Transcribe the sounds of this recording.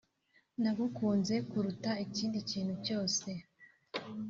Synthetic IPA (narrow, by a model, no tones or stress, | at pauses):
naɡukuːnze̞kuɾutaiciːndiciːnhuco̞ːse̞